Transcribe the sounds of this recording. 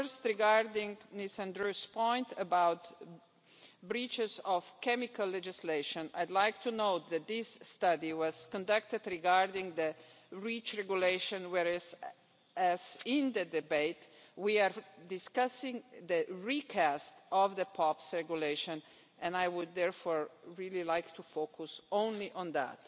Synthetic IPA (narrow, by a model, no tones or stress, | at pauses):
fəɹst̪ɹiɡaɹdɪ̃ŋnisãnd̪ɹuspɔ̃ɪ̃nt̪əbaʊt̪ | bɹit͡ʃɪzɔvkɛmɪkalːɛd͡ʒɪsleɪʃɔ̃na̰jd̪laɪk̚t̪ʰunoʊt̪̚ðæt̪̚ðɪsːtʌdiwɔz̥kɔ̃ndʌk̚t̪ɨd̪ɾiɡaɹdɪ̃ŋðə | ɹit͡ʃɹɛɡjuleɪʃɔ̃nwɛɹæz | æzɪ̃nd̪ədɪbeɪt̪wiaɹdɪskʌsɪ̃ŋðəɹikʰæst̪ɔvðəpʰɔpsɹɛɡjuleɪʃɔ̃n | ɛ̃najwʊd̪̚ːɛɹfɔɹɹililaɪkt̪ufokʰusõʊ̃nliʔɔ̃nðæ̰t